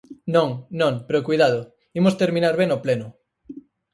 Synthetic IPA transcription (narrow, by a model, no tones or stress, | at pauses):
nõŋnõŋpeɾokujðað̞ʊ | imost̪eɾmĩnaɾβenoplenʊ